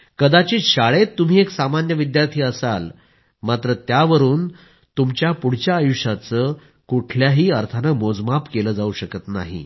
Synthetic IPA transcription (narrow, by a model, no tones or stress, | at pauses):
kəd̪at͡ɕiːɕaɭet̪ːum̤iːeksamanjəʋid̪jaɾt̪ʰiːəsa̰l | mat̪ɾət̪jaʋəɾuːn | t̪umt͡ɕjapuɽ̤t͡ɕjaːjuɕat͡səː | kuʈʰljaɦiːəɾt̪ʰanəmod͡zmapkeləːd͡zauɕəkət̪na̰ɦḭ